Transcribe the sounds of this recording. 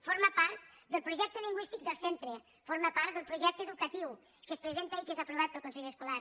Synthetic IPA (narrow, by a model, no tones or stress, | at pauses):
foɾməpaɾt̪̚ | d̪əlˠpɾuʒɛk̚t̪əliŋɡwist̪ik̚d̪əlˠsent̪ɾə | foɾməpaɾt̪d̪əlˠpɾuʒɛk̚t̪əðukət̪iw | kəspɾəzent̪əikezəpɾuβ̞at̪̚pəlˠkunsəʎeskulaɾ